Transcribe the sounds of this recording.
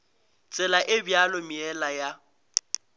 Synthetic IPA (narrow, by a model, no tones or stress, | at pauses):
t͡sʼɛlaʔɪbjalomiɛlaja